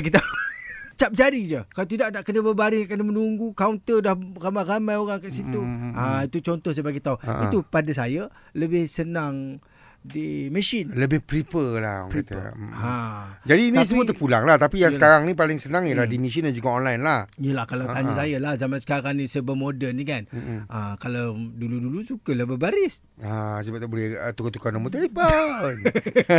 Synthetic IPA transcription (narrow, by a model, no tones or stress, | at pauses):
ɡit̪a | t͡ʃap̚d͡ʒadid͡ʒəkalat̪̬idaʔnaʔkənabəbaɾiʔkənəmənuŋɡukaunt̪ədahramaramajoɣaŋkaʔsit̪uait̪ut͡ʃɔnt̪ɔhs̬əbaɡajt̪aṵḭt̪upadasaja | ləbɪhsənaŋ | diməʃɪnləbɪhpɾipəla̰a̰ŋpɾit̪əad͡ʒadiːnĩs̬əmuət̪əpulaŋlaht̪apijaŋəkaɾaŋnipalɪŋsənãŋjəlahdimĩʃ̬indand͡ʒuɡaɔnlajnlahijəlahkalawt̪aɲasajalahzamansə̥kakanisəbəmodənikanəkalawduludulusukəlabəbaɾɪs | asəbabulɛət̪ukat̪ukanamut̪aliban